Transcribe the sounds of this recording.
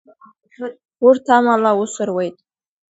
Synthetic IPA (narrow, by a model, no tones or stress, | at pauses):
ʊrtʰamalawʊsɨrwejtʼ